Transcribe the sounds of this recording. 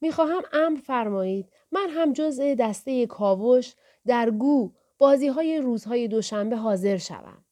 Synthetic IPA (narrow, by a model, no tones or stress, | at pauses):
miːxɒːɦæmæmɾfæɾmɒːiːd̪̥ | mænɦæmd͡ʒo̞ze̞d̪æst̪e̞je̞kʰɒːvoʃ | d̪æɾɡuː | b̥ɒːziːɦɒːje̞ɾuːzhɒːje̞d̪o̞ʃæmbe̞ɦɒːze̞ɾʃæ̰væ̰m